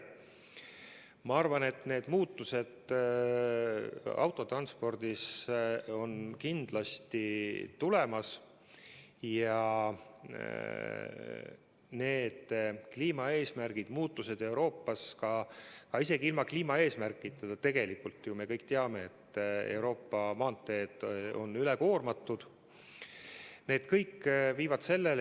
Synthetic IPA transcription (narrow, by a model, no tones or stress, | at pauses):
mɑɑrvɑne̞t̪ːˑne̞ːd̪̥muːt̪ːˑuse̞d̪̥ | ɑ̰wt̪ːˑo̞t̪rɑnspo̞rd̪̥is | o̞nkind̪̥lɑst̪it̪ule̞mɑs | jɑ | ne̞ːd̪̥kliːmɑe̞ːsmærɡ̥id̪̥muːt̪ːˑuse̞d̪̥e̞wɾo̞ːpˑːɑskɑkɑise̞ɡiilmɑkliːmɑe̞ːsmærkːˑit̪ːˑɑd̪ɑt̪e̞ɡ̥e̞likult̪ˑːjume̞kɤjkːˑt̪eɑme̞et̪ːˑḛwɾo̞ːpːɑmɑːnt̪ːˑe̞ːd̪̥o̞̰nːyleko̞ːrmɑt̪ːˑud̪̥ | ne̞ːd̪̥kɤjkːviːvɑd̪̥se̞lːe̞l